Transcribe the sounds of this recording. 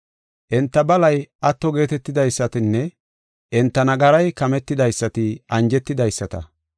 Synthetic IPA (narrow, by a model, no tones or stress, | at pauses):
ʔɛnt̪ːɐbɐlɐjʔɐt̪ːɔɡe̞ːt̪ɛt̪ːɪd̪ɐjsːɐt̪ɪnːɛ | ʔɛnt̪ːɐnɐɡɐɾɐjkɐmɛt̪ːɪd̪ɐjsːɐt̪ɪʔɐnd͡ʒɛt̪ːɪd̪ɐjsːɐt̪ɐ̰